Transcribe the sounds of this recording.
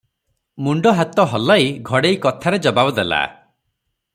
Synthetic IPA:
muɳɖɔɦat̪ɔɦɔlajɡʱɔɽejkɔt̪ʰaɾed͡ʒɔbabɔd̪ela̰

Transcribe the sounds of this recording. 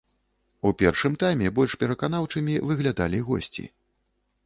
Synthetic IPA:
upʲɛrʂɨmt̪ajmʲɛbɔlʲʂpʲɛɾɐkan̪awt͡ʂɨmʲivɨɣlʲad̪a̰lʲiɣɔ̰sʲt͡sʲḭ

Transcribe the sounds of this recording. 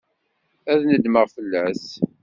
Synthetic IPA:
æðnəd̪məʁfəlːæs

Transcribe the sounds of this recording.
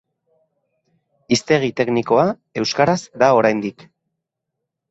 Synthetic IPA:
ist̪e̞ɣ̞it̪e̞kniko̞a | e̞wskaɾazd̪ao̞ɾajnd̪ik

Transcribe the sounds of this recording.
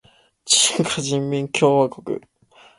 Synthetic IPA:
t͡ɕi̥ŋkaʑĩmːʲĩŋkʲo̞ːβakokɯ̟̰

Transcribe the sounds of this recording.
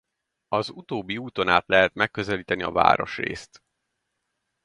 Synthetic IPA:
ɒzut̪oːbːiuːt̪o̞naːt̪lɛɦɛt̪mɛkːøzɛliːt̪ɛniɒ̰va̰ːɾo̞ʃrḛːst̪

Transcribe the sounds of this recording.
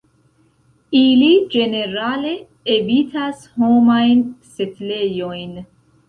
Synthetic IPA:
ilid͡ʒe̞ne̞ɾale̞ː | bitʰasho̞majnsetle̞jo̞jn

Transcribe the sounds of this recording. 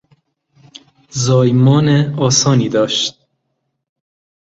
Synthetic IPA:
zɒːjmɒːneɒːsɒːniːd̪ɒːʃt̪̚

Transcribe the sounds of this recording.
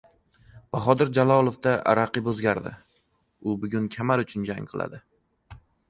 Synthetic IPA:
b̥aχɒd̪ɪɾd͡ʒalˠɒlˠofd̪aʔa̰ɾaqɨpɵzɡʲaɾd̪ɪ̰ | ʊbʊɡʲʊnkʲʰamaɾʊt͡ʃʰʊnd͡ʒaŋqʰɨlˠa̰d̪ɪ

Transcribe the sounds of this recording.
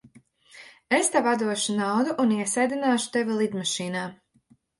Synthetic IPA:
est̪avad̪uɔʃunawd̪uʔuniɛsajd̪inaːʃu̥t̪evilˠid̪maʃiːnaː

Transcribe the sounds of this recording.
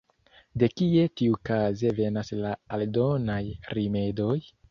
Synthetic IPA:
de̞kie̞tiukaze̞ve̞naslaːldo̞najɾime̞do̞j

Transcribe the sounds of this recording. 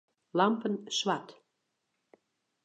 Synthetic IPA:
lampənsʋat

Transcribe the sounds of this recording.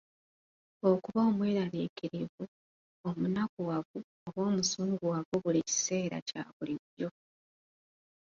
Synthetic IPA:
okuβoːmweːɾaliːkiɾivu | omunakuwaβu | oβo̞ːmusuːŋɡuwaβoβulici̥se̞ːɾa̰ca̰βuliβjo̞

